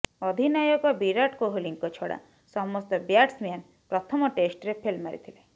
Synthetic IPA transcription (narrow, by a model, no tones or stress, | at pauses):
ɔd̪ʱinajɔkɔbiɾaʈkoɦoliŋkɔt͡ʃʰɔɽa̰ | sɔmɔst̪ɔbjaʈsmjan | pɾɔt̪ʰɔmɔʈesʈɾepʰelmaɾḭt̪ʰile